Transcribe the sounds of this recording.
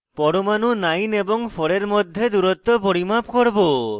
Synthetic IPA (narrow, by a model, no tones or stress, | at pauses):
pɔɽomanunajneboŋpʰɔɽeɾmod̪ʱːed̪uɾɔt̪ːopoɽimap̚koɽbo